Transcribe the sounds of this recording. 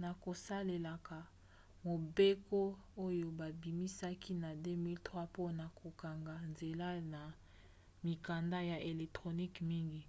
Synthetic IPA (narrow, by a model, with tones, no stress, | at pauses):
na˨ko˨sa˦le˨la˨ka˨ | mo˨be˦ko˦ | o˦jo˦ba˨bi˨mi˦sa˦ki˦na˨de˦mi˦ltʁwa˦po˦na˨ko˨ka˨ŋɡa˨nze˨la˦na˨ | mi˨ka˨nda˦ja˨ʔe˨lɛ˨k̚tʁo˨ni˦kmi˦ŋɡi˦